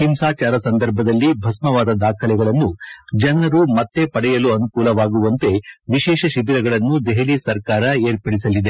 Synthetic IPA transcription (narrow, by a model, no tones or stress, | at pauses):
himsaːt͡ʃaːɾɐsɐnd̪ɐɾbʱɐd̪ɐlːibʱɐsmɐʋaːd̪ɐd̪aːkʰɐlɛɡɐɭɐnːud͡ʒɐnɐɾumɐt̪ːe̞pɐɽɛjɐluɐnukuːlɐʋaːɡuʋɐnt̪e̞ʋiʃɛːʃɐʃib̪iɾɐɡɐɭɐnːud̪eɦelisɐɾkaːɾɐeːɾpɐɽisɐlːid̪e̞